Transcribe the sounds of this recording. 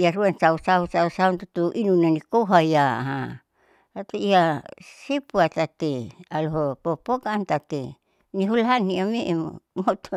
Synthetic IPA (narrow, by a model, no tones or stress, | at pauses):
iaɾuansausausausaunt̪ut̪uʔinunanikoɦaiaɦa | at̪eiasepuat̪at̪ealoɦopopokant̪at̪e | niɦulaniamemo̰mot̪o